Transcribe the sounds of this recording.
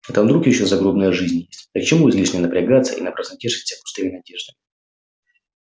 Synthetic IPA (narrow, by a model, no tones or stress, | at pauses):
vɛt̪əmd̪ɾukʲɪjɪɕːozɐɡɾobnəjəʐɨzʲnʲjesʲtʲd̪ək̚t͡ɕɪmuɪzʲlʲiʂnʲəənəpɾʲɪɡat̪sːə̰ʔḭnəpɾəsnɐtʲeʂɨ̥tʲsʲəpʊ̥st̪ɨmʲɪnɐdʲe̞ʐd̪ɨɪ